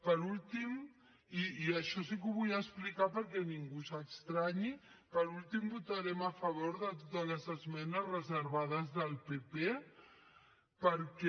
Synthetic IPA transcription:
pəɾulˠt̪im | iiəʃɔs̬ikuβujəsplikapəɾkɛniŋɡusəkst̪ɾaɲipəɾulˠt̪imbut̪aɾɛməfəβ̞oɾðət̪ot̪ələzəzmɛnəzrəzəɾβað̞əzðəlˠpepe | pəɾkɛ

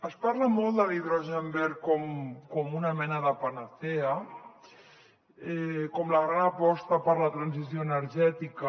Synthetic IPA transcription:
əspaɾləmɔlˠt̪d̪əliðɾoʒɛmbɛɾkɔmkɔmunamɛnəðəpanaθea | ɛkɔmləɣɾanəpɔst̪əpəɾlat̪ɾansizjoənəɾʒɛt̪ikə

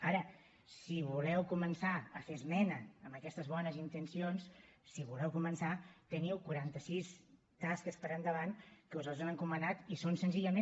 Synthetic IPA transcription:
aɾə | siβulɛwkumənsaəfezmɛnəəmbəkɛst̪əzβɔnəzint̪ənsionsːiβulɛwkumənsat̪əniwkuɾant̪əsis | t̪askəspəɾənd̪əβankəuzalˠzanəŋkumənat̪isonsənziʎəmẽ

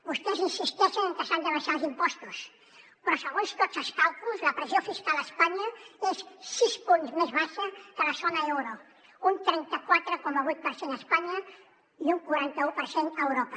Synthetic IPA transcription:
bust̪ɛzinsist̪ɛʃənəŋkəsand̪əβaʃalˠzimpɔst̪us | pɾɔsəɣonst̪ot͡səskawk̪uzləpɾəzjofiskalˠəspaɲɐesːispunzmezβaʃəkəlɐzonaɛwɾo | unt̪ɾɛnt̪əkwat̪ɾəkoməβujt̪̚pəɾsenəspaɲɐ | iuŋkwaɾant̪əupəɾsenəwɾopə

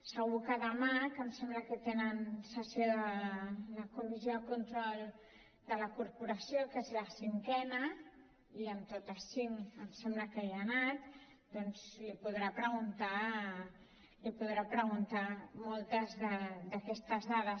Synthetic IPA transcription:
səɣukəðəmakəmsɛmbləkət̪enənsəsjoðələkumizjoakunt̪ɾɔlˠ | d̪ələkuɾpuɾəsjokəesɾasiŋkɛnə | iəmt̪ot̪əsiŋəmsɛmbləkɛanat̪ | d̪ɔnzlipuðɾapɾəɣunt̪a | lipuðɾapɾəɣunt̪amɔlˠt̪əzðəd̪əkɛst̪əzðaðə

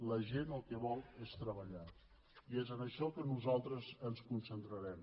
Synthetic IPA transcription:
ləʒenəlˠkɛβɔlˠest̪ɾəβəʎa | iezənəʃɔkənuzalˠt̪ɾəzənskunsənt̪ɾəɾɛm

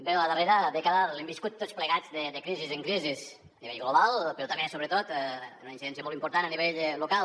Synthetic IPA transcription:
bɛwəðəreɾəðekaðəlɛmbiskut̪ːot͡sspləɣad͡zðəðəkɾizizəŋkɾizis | əniβɛ̰ʎɣloβalˠpeɾɔt̪amesoβɾət̪ot̪ɛnunainsiðɛnsiəmɔlˠtimpuɾt̪anəniβeʎlokal

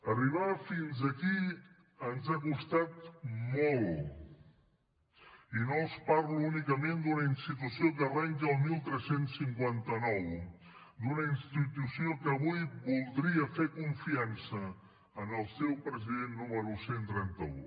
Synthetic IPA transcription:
əriβ̞afinzəki | ənzakust̪at̪molˠ | inospaɾluunikəmẽnd̪unəinst̪it̪usiokərɛŋkəlˠmilˠt̪ɾɛsensːiŋkwant̪ənɔw | d̪unəinst̪it̪usiokəːβujβulˠd̪ɾiəfekuɱfiansəː | nəlˠsɛwpɾəziðenːuməɾusent̪ɾɛnt̪ə̰ṵ

